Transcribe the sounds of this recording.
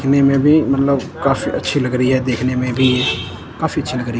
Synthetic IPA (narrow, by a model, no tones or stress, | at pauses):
kneːmẽːbʱiːmət̪ləb | kaːfḭːʔətːʃʰiːləɡɾiɦɛːd̪eːkʰneːmẽbʱiːe | kaːfiːətːʃʰiləɡɾiː